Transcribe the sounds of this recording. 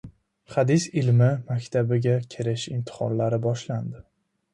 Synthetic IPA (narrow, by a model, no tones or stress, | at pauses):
χad̪ɪsɪlmɪmakʲt̪ʰabɪɡʲakʲʰɪɾɪʃɪmt̪ʰɪ̥χɒ̰nlaɾɪbɒʃland̪ɪ